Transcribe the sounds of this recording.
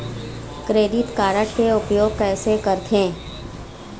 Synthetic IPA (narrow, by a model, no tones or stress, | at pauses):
kɾeːd̪ɪt̪kaːɾəʈkeʊpjoːɡ̚kɛːsekəɾt̪ʰẽː